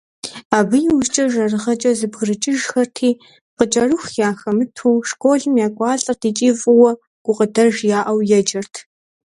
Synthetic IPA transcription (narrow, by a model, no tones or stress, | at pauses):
aːbɨjɪwʊʃt͡ʃʼɐʒɐrɨʁɐt͡ʃʼɐzɨbɣrɨt͡ʃʼɪʒxɐrtʰiː | qət͡ʃʼɐrɨxjaːxɐmɨtʰuːʂkʷʼoːɮɨmjaːkʷʼɑːɬʼɐrdʰiːt͡ʃʼiːfʼʊwɐ | ɡ̥ʷʊqʼədɐrʒjaːʔɐwjɛd͡ʒʼɐrtʰ